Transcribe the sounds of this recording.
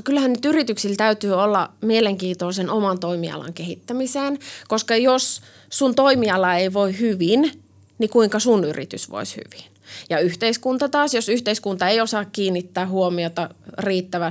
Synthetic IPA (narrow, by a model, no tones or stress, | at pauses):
kylhænnyt̪yrit̪yksilt̪æyt̪yːolːɑmieleŋkiːt̪oˑsenomɑnt̪oimiɑ̰lɑ̰ŋkeɦit̪ːæmiseːnkoskɑjos | sunt̪oimiɑlɑeiʋoihyʋin | nikuiŋkɑsunyrḭt̪y̰sʋo̰ishy̰ʋinjɑyht̪eiskunt̪ɑt̪ɑːsjosyht̪eiskunt̪ɑeijosɑːkkiːnːit̪ːæːhuomiot̪ɑriːt̪ːæʋæ